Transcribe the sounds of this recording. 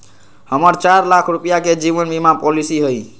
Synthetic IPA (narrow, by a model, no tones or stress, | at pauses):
həməɾt͡ʃaɾlakʰɾupijaked͡ʒiʋənbimapɔlisiɦoj